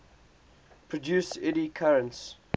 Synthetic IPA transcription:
pʰɹɔdjuːˑsɪɾikʰaɹə̃nts

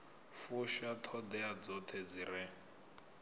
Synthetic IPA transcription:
fuʃatʰɔd̪ɛad͡zɔtʰed͡ziɾɛ

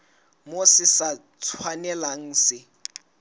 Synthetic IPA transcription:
mosɪsa | t͡sʰwanɛlaŋ̩sɪ

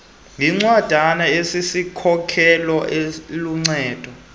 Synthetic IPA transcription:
ŋiŋ͡ǀwad̥ʱanaesisikʰɔkʰɛlɔeluŋ͡ǀɛːd̥ʱɔ

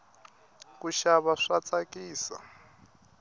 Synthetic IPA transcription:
kuʃaβaʂat͡sʼakiːsa̰

